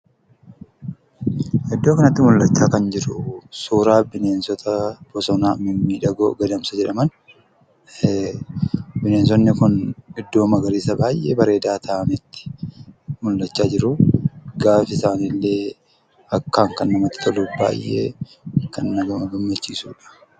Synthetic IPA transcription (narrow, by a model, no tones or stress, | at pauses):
hɛd̪ːoːkɐnɐt̪ːɪmʊlːɐt͡ʃːaːkɐnd͡ʒɪɾʊsuːɾaːbɪne̞ːnsɔt̪ʰɐbɔsɔnaːmɪnːiːᶑɐɡo̰ːɡɐd̪ɐmsɐd͡ʒɛᶑɐmɐn | bɪneːns̬ɔnːɪkʊnɪd̪ːo̞ːmɐɡɐɾiːsɐbaːjʔḛːbɐɾe̞ːd̪aːt̪ʰɐʔɐnɪt̪ːɪ̥ | mʊlːɐt͡ʃːaːd͡ʒɪɾʊɡaːfɪsaːnilːe̞ː | ɐkːaːŋkɐnːɐmɐt̪ːɪ̥t̪ʰɔluba̰ːjʔḛː | kɐnːɐɡɐmɐɡɐmːɐt͡ʃːiːsṵːᶑɐ̥